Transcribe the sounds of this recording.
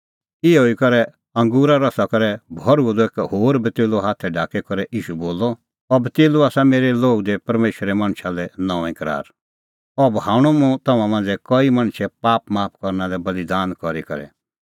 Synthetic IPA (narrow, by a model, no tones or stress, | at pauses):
ɪɛɦoːikɐɾɛ | ɐ̃ŋɡuːɾaɾɐsakɐɾɛbʱɔɾud̪ɔeːkhɦoːɾbʱit̪eːloɦaːt̪ʰɛɖaːkɛkɔɾɛʔiːʃuboːlɔ | ɔbt̪eːluaːsameːɾɛloːɡd̪ɛpɐɾmeːʃɾɛmɐ̃ɽ̃ʃʰalɛnɔ̃ːʋɛ̃kɐɾa̰ːɾ | ɔbhãːɽ̃ũmũt̪ɐmãmãːnd͡zɛkɔimɐ̃ɽ̃ʃʰɛpaːpmaːp̚ʰkɔɾnad̪ɛbɐlid̪aːnkɔɾikɐ̰ɾɛ̰